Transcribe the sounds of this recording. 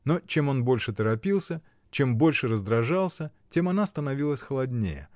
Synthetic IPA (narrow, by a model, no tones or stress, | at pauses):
no̞t͡ɕe̞mo̞nbo̞lʲʂɨt̪əɾɐpʲilˠsʲə | t͡ɕe̞mbo̞lʲʂɨɾəzd̪ɾɐʐalˠsʲətʲe̞mɐnast̪ənɐvʲilˠəsʲxəlˠɐdʲnʲḛjə̰